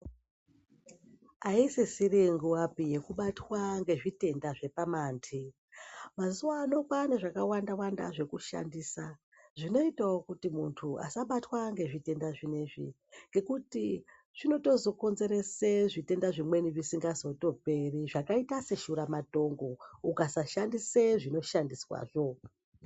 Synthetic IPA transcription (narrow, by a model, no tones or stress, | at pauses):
aisesiɾiŋɡuwapije̞kuɓatwaŋɡe̞ʐite̞ndaʐe̞pamaːntʰi | mazuwaːno̞kwaneʐakawandawanda̰ʐe̞kuʃa̰ndisa | ʐino̞itawokutimuntʰua̰saɓatwaŋɡe̞ʐite̞ndaʐine̞ʐḭ | ŋɡe̞kuti | ʐ̥ino̞to̞zo̞ko̞nze̞ɾe̞seʐite̞ndaʐimwe̞niʋisiŋɡazo̞to̞pe̞riʐakaitase̞ʃuɾamato̞ŋɡo̞ukasaʃandiseʐino̞ʃandiswa̰ːʐo̞